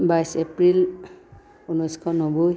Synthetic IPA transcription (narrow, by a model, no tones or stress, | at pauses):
bajsepɹil | unɔskʰɔnɔbu